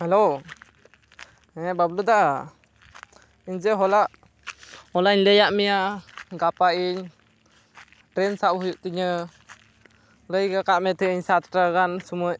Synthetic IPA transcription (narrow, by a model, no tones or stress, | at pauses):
hɛlo | ɛɛbablud̪aʔ | iɲd͡ʒəɦɔlaʔ | ɔlaʔiɲdɛjaʔmɛjaɡapaiɲ | ʈɾɛnsaʔɦujuʔt̪iɲə | ləjɡakaʔmɛt̪ʰɛiɲsat̪ʈaɡansumɔʔ